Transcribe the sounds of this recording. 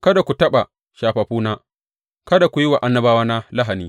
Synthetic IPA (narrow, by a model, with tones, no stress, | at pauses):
kɐ˦da˨kʷu˨tɐ˦ɓa˨ | ʃaː˨ɸa˨ɸuː˦naː˦ | kɐ˦da˨kʷu˨ji˦wa˨ʔa˦nːɐ˦baː˦waː˦na˦la˦ɦa˨niː˦